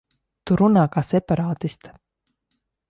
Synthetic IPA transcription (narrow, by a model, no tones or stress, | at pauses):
t̪uɾunaːkaːsɛpaɾaːt̪ist̪ḁ